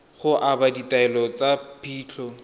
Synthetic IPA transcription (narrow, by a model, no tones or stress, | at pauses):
χʊʔabaditaɛlɔt͡sapʰiːt͡ɬʰɔ